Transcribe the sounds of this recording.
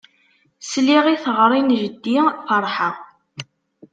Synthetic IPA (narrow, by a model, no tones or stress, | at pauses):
sliʁiθʁɾˤinʒəd̪ːifəɾˤħə